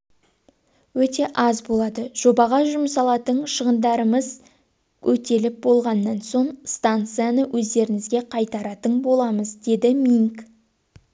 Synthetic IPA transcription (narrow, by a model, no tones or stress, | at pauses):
wɵt̪e̞ʔɑzbo̞lˠɑd̪əʒ̥o̞bɑʁɑʒʊməsɑlˠɑt̪əɴʃəʁənd̪ɑɾəməz | ɵt̪e̞lɪp̚bo̞lˠʁɑnːɑnso̞ɴst̪ant̪sɨjanəwʔɵzd̪e̞ɾɪŋɪzɡʲe̞qʰɑjt̪ɑɾɑt̪əɴbo̞lˠɑməzd̪e̞d̪ɪmiŋk